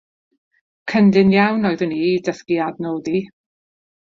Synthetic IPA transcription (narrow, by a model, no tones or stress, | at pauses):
kʰəndɪnjawnɔjðɨnidəθkiadnoːdi